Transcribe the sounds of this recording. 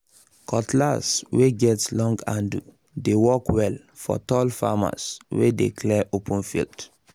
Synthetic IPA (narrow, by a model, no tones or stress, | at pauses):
kʰɔtlasweɡɛtlɔ̃ŋɡãndu | dewɔkwɛl | fɔ̰tɔlfa̰ma̰swḛdekʰlɛʔopʰə̃nfḭlt